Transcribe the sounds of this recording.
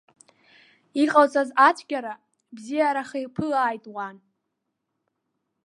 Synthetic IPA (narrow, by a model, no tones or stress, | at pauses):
iqʼawt͡sʰʼazat͡ʃʷʰɡʲaɾa | bzijaɾaχejpʰɨlaːjtʼwan